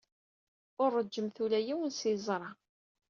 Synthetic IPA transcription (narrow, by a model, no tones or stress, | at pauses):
ʊrˤːəd͡ʒːəmθulæjiwənsizˤɾˤɑ